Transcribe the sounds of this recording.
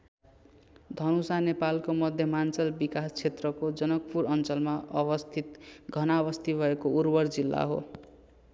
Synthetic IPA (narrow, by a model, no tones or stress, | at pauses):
d̪ʱʌnusanepalkomʌd̪ʱjʌmant͡sʌlbikast͡sʰet̪rʌkod͡zʌnʌk̚puɾʌnt͡sʌlmaʔʌbʌst̪ʰit̪ɡʱʌnaβʌst̪ʰibʱʌekourbʌrd͡zilːa̰ɦo̰